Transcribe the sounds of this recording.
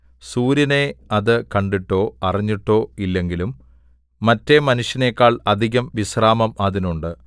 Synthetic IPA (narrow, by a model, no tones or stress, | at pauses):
suːɾjɐne̞ɐðɨkɐɳɖiʈːo̞ːɐrɐɲːiʈːo̞ːilːe̞ŋɡilumː | ɐtːemɐnuʂjɐne̞kːaːɭɐd̪ʱiɣɐmʋisraːmɐmɐðinuɳɖɨ